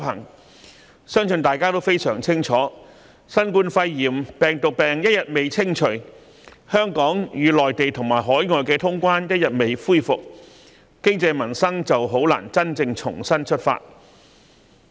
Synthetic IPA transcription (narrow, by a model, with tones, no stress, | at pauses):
ɦɐ̰˨˩ŋ | sœː˥ŋsɵ˧nt̪aː˨˩jkaː˥t̪o˥wfe˥jsœː˨˩ŋt͡sʰɪ˥ŋt͡ʃʰɔː˨˥ | sɐ˥nkuː˧nfɐ˧jːiː˨˩mpɛː˨˩ŋt̪ʊ˨k̚pɛː˨˩ŋjɐ˥t̚jɐ˨t̚me˨˧jt͡sʰɪ˥ŋt͡ʃʰɵ˨˩ɥ | hœː˥ŋkɔː˨˥ŋjyː˨˧lɔː˨jt̪e˨jt̪ʰʊ˨˩ŋmaː˨˩jɦɔː˨˥jŋɔː˧jkɛː˧t̪ʰʊ˥ŋkʷwaː˥njɐ˥t̚jɐ˨t̚me˨jfuː˥jfʊ˨k̚ | kɪ˥ŋt͡sɛ˧jmɐ˨˩nsɐ˥ŋt͡sɐ˨wɦo˨˥wla̰ː˨˩nt͡sɐ˥nt͡sɪ˧ŋt͡ʃʰʊ̰˨˩ŋsɐ˥nt͡ʃʰɵ˥t̚fa̰ː˧t̚